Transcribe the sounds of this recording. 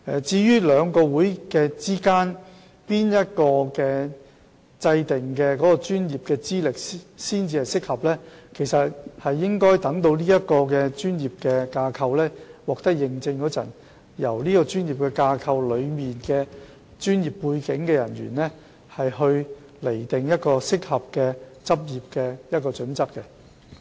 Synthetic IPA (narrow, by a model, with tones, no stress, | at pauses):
ɛ˨˧t͡siː˧jyː˥lœː˨˧ŋkɔː˧wuː˨˥jkɛ˧t͡siː˥kaː˥n | piː˥njɐ˥t̚kɔː˧kɛː˧ | t͡sɐ˧jt̪ɪ˨ŋkɛː˧kɔː˨˥kɔː˧t͡ʃyː˥njiː˨p̚kɛː˧t͡siː˥lɪ˨k̚siː˥nt͡siː˧hɐ˨jsɪ˥k̚hɐ˨p̚lɛː˥kʰe˨˩jsɐ˨t̚hɐ˨jːɪ˥ŋkɔː˥jt̪ɐ˨˥ŋt̪o˧wniː˥jɐ˥t̚kɔː˧kɛː˧t͡ʃyː˥njiː˨˩p̚kɛː˧kaː˧kʰɐ˧wlɛː˥wɔː˨k̚t̪ɐ˥k̚jɪ˨ŋt͡sɪ˧ŋkɔː˨˥t͡sɐ̰˨˩n | jɐ̰˨˩wliː˥kɔː˧t͡ʃyː˥nji˨p̚kɛː˧kaː˧kʰɐ˧wlɵ˨˧ɥmiː˨nkɛː˧ | t͡ʃyː˥njiː˨˩pːuː˧jkɪ˨˥ŋkɛː˧jɐ˨˩nɥy̰ː˨˩nlɛː˥ | hɐ˨jhɵ˧ɥ | le˨˩jt̪ɪ˨˩ŋjɐ˥t̚kɔː˧sɪ˥k̚hɐ˨p̚kɛː˧t͡sɐ˥p̚jiː˨p̚kɛ˧jɐ˥t̚kɔː˧t͡ʃɵ˨˥nt͡sɐ˥k̚kːɛ˧